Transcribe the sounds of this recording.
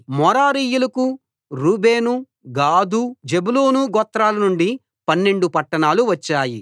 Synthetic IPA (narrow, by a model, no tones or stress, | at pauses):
mɔɾaːɾiːjulɐku | ɾuːbe̞ːnu | ɡaːd̪ud͡ʒebuloːnuɡɔt̪ːɾaːlɐnuɳɖi | pɐnːe̞ɳɖupɐʈːɐɳaːluʋɐt͡ʃːaːji